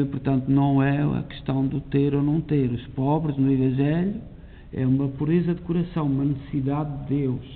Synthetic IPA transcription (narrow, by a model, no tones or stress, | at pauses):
puɾt̪ɐ̃nt̪unɐ̃w̃ɛɐ̰kɨ̥ʃt̪ɐ̃w̃d̪ut̪eɾonɐ̃w̃t̪eɾuʃpɔβɾɨznuivɐ̃ʒɛʎu | ɛ̰umɐpuɾezɐd̪ɨkuɾɐsɐ̃w̃umɐnɨsɨsiðaðd̪ɨd̪ewʃ